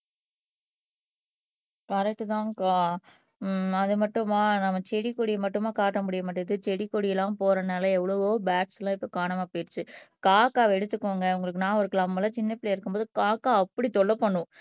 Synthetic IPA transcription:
kɐɾɛk̚ʈɯt̪ãːkaː | ɐðɯmɐʈːɯmaːnɐmːɐt͡ʃɛɽikːɔɽɪjmɐʈːɯmaːkaːʈːɐmʊɽɪjɐmɐʈːɯðɯt͡ʃɛɽɪkːɔɽɪjɐlãːpoːɾɐnaːlɐɛʋːɐɭɐʋoːbaːʈslãːɪpːoːkaːɳɐmaːpojɾt͡ʃːɯkaːkaːʋɛɽɯt̪ːɯkːoːŋɡɐɯŋɡɐɭɯkːɯnãːɔɾɯkːɯnɐmːɐlãːt͡ʃɪnːɐpɪleɪɾɯkːɯmpboːðɯkaːkːaːɐpːɐɽit̪ɔɭːɐpːɐɳːʊ̃

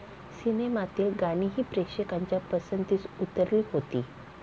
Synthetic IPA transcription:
sinemat̪iːlɡaɽ̃iːɦiːpɾekʂekaɲt͡ɕjapəsənt̪iːt͡sut̪əɾliːɦot̪iː

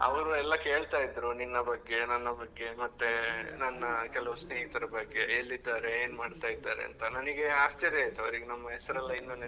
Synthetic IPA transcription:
ɐ̰ʋɐɾuɛlːɐke̞ːɭt̪aːjid̪ɾuninːɐbɐɡːe̞nɐnːɐbɐɡːe̞mɐt̪ːenɐnːɐkɛlɐʋɐsneːɦit̪ɐɾɐbɐɡːe̞elːid̪ːaːɾeeːnmaːɽt̪aːjid̪ːaːɾḛɐ̰nt̪ɐnɐniɡe̞aːst͡ʃ̪ɐd̪ejt̪ɐʋɐɾiɡenɐmːɐɦɛsɐɾɛlːɐinːun

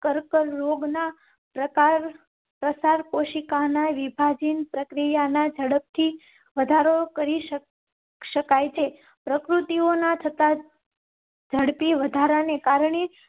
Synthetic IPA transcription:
kəɾkəɾːoɡna | pɾəkaɾ | pɾəsaɾkoʃikanaʋibʱad͡ʒinpɾəkɾijanad͡ʒʱəɽəp̚t̪ʰi | ʋəd̪ʱaɾokəɾi | ʃəkajt͡ʃʰe | pɾəkɾut̪ionat̪ʰət̪a | d͡ʒʱəɽpiʋəd̪ʱaɾanekaɾɳe

